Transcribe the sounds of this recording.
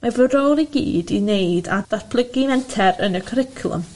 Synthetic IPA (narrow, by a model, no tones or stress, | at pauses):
mavəɾoːliɡḭːdinejdad̥arb̥ʰlˠəɡinɛntʰɛɾənəkʰəɾɪkʰlˠə̰m